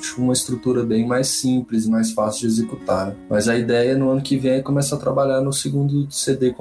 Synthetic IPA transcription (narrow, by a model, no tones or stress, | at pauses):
ʃũmɐist̪ɾut̪uɾɐbẽj̃majsĩplɪzɪmajsfasiwd͡ʒezekut̪aɾmɐzɐid̪ɛjɐnʊɐ̃nʊkɪvẽj̃ɛkõmɛsɐɐt̪ɾa̰baʎaɾnʊsɪɡũnd̪ʊsed̪ekõ